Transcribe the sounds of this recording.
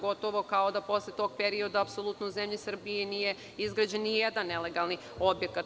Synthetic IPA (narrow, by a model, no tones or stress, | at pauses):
ɡo̞t̪oʋo̞kaod̪apo̞slet̪o̞ɡ̚pe̞ɾio̞d̪aːpsolˠut̪nouzemʎisr̩bijenije̞ | izɡɾad͡ʑe̞nːije̞d̪anːe̞le̞ɡalˠni | o̞bje̞kat̪